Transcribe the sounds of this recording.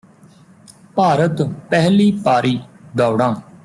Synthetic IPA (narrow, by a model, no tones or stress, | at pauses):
paːɾət̪pɛɦliːpaːɾiːd̪aːʊɽãː